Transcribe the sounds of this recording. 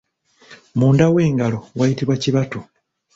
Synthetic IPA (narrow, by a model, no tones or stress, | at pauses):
muːndawe̞ːŋɡalo̞wajitiβwaciβatu